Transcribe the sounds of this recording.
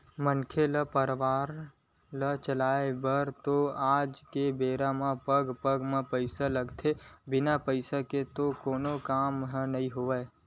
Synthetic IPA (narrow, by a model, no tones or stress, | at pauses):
mənkʰeləpəɾʋaːɾ | lət͡ʃəlaːebəɾt̪oaːd͡ʒkebeːɾamãpəɡpəɡmãpəɪsaləɡt̪ʰebɪnapəɪsaket̪okoːnokaːmɦnɐɦĩɦoʋəe